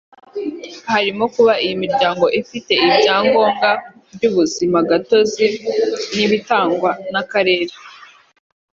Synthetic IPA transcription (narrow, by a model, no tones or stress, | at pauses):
haɾimo̞kuβaʔijimiɾɟaːŋɡo̞ʔifite̞ibɟaːŋɡo̞ːŋɡa | bɟuβuzimaɡato̞ziniβitaːŋɡwanakaɾe̞ːɾḁ